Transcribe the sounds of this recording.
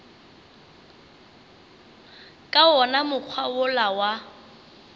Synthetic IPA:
kʼaɔnamʊk͡xʰwaʊlawa

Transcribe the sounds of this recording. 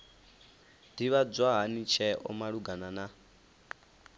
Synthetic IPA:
d̥iβad͡zʷwaɦanit͡ʃʰɛʔɔ̰maɺuɡanana

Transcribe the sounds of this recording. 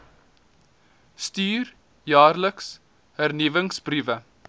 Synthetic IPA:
styːr | jɑːrləks | hærnivəŋsbrivə

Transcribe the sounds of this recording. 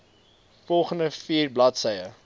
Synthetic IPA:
fɔlˠχəndəfiːrblɐtsəjə

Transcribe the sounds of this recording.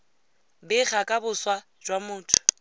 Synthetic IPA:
bɪχakʼabʊswa | d͡ʒwamʊːtʰʊ̥

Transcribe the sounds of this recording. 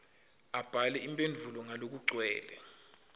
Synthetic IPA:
ab̥ʱalɛimpʼend͡ɮʱulɔŋalok̬uǀwɛ̰ːlɛ

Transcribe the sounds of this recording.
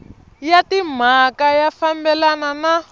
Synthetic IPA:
jatim̤akajafambɛlanana

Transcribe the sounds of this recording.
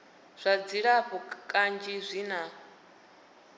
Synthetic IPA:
z̥ʷad͡ziɺaɸɔkʼand͡ʒizʷina

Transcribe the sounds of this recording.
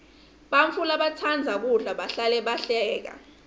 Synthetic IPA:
ɓaɱfulaɓat͡sʰand͡zʱaɓ̬uɮaɓaɬalɛɓaɬɛːk̬a̰

